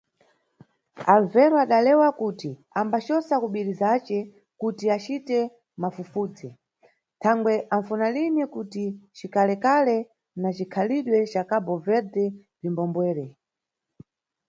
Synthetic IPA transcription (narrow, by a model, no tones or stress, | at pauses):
alvɛɾɔaɗalɛwakutiambat͡ʃɔsakuɓiɾizat͡ʃɛ | kutiat͡ʃitɛ | mafufuːd͡zɛ | tʰaŋɡwɛʔaɱfunalinikutit͡ʃikalɛkalɛ | nat͡ʃikʰaliɗwɛt͡ʃakabɔvɛɾtɛ | vimbɔmbwɛːɾɛ